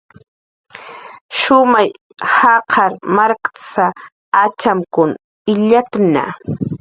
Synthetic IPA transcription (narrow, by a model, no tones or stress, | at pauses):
ʃʊmaj | hɑqʰɑɾmaɾkt͡saː | t͡ʃamkʊn | ɪʎat̪na̰